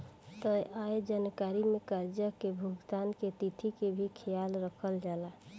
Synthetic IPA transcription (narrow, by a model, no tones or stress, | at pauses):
t̪əjʔajed͡ʒankaɾimẽkaɾd͡ʒəkebʱuɡt̪aːnket̪it̪ʰikebʱikʰejalɾəkʰəld͡ʒala